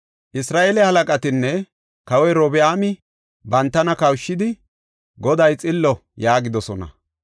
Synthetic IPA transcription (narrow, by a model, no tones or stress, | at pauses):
ʔɪsɾaːʔelɛhɐlɐkʼɐt̪ɪnːɛ | kɐwɛjɾoːbɪaːmɪ | bɐnt̪ːɐnɐkɐwʃːɪd̪ɪ | ɡɔd̪ɐjt͡sʼɪlːɔjaːɡɪd̪ɔsɔnɐ̰